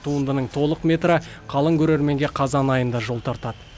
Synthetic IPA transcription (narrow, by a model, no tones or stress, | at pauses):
t̪ʰuənd̪ənəɴt̪ʰo̞lˠəqmʲe̞t̪ɾə | qʰɑlˠəŋkʲʰɵɾe̞ɾme̞ŋɡʲeqʰɑzɑnɑjənd̪ɑʒo̞lˠt̪ʰɑɾt̪ɑd̪ə